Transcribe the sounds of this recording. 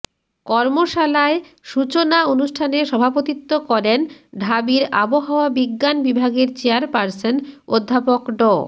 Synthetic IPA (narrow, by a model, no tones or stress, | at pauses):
kɔɾmoʃalae | ʃut͡ɕonaonuʃʈʰaneʃɔbʱapot̪it̪ːokɔɾenɖʱabiɾa̰boɦaoabiɡːanbibʱaɡeɾt͡ɕeaɾpaɾsenod̪ʱːapokɖɔ